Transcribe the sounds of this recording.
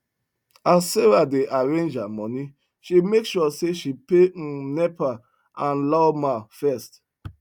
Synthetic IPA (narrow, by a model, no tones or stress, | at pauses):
aseɹadeʔaɹẽnd͡ʒamɔni | ʃimekʃɔseʃipenɛpa | ʔãnlɔmafɛst